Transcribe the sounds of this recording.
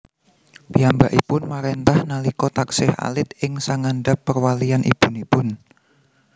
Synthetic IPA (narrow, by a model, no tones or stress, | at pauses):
piambaʔipʊnmaɾent̪ahnalikɔt̪aksɪha̰lɪt̪̚ɪŋsaŋanɖapːərwalianʔḭb̥unipʊn